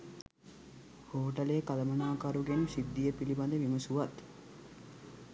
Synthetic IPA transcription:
hoːʈɐlekalɐmɐnaːkaɾuɡenusid̪ːijəpiliband̪eʋiməsuʋat̪

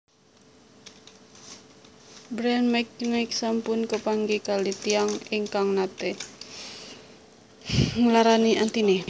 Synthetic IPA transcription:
bɾɛnmɛknɪksampʊnkəpaŋɡikalit̪iaŋɪŋkaŋnat̪e | ŋəlaɾaniʔant̪ini

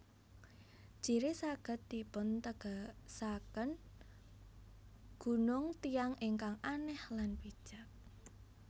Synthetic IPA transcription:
ʒ̥i̤ɾesaɡ̥ə̤t̪ːipʊnt̪əɡ̥asakən | ɡ̥ṳnʊŋt̪iaŋʔeŋkaŋanɛhlanpid̥ʒ̥a̤k̚

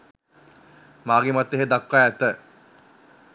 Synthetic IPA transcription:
maːɡemat̪ːeɦed̪akːaɛt̪ə

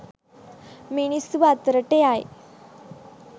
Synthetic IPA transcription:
miɳisuʋat̪əɾəʈeaj

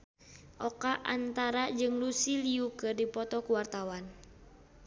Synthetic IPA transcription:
ʔɔkaʔant̪aɾad͡ʒɨŋlusiliukɨrdipɔt̪ɔkuwart̪awan

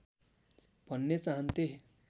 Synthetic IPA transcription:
bʱʌnːet͡saɦʌnt̪e

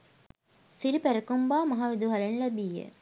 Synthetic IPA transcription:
siɾipæɾɐkumbaːmɐɦaːʋed̪uɦɐlenlæbiːjə̰

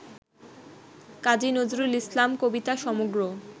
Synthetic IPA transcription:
kad͡ʑinod͡ʑɾulislamkobit̪aʃɔmoɡɾo

